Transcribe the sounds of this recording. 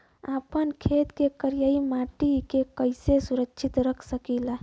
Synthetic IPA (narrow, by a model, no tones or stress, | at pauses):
apənkʰet̪kekəɾijaimaʈikekəɪsesuɾəkʃʰit̪ɾəkʰsəkila